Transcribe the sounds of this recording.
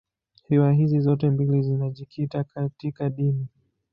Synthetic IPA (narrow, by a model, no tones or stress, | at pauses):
hɛwaɦizizɔtɛmbilizinaʄikʰitakatikaɗini